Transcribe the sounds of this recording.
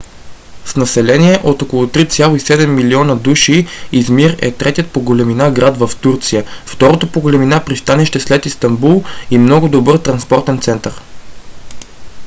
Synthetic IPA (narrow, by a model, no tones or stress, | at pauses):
snɐsɛlɛniɛʔot̪okolˠot̪ɾit̪sʲjalˠoisɛd̪ɛmːiliɔnəd̪uʃiizmiɾɛ̰t̪ɾɛt̪ijət̪̚poɡolɛminaɡɾad̪vəft̪uɾt̪sijəft̪ɔɾot̪opoɡolɛminapɾist̪anɛʃt̪ɛslɛt̪ist̪ɐmbulˠimnɔɡʊd̪obɤɾt̪ɾɐnspɔɾt̪ɛnt̪sɛnt̪əɾ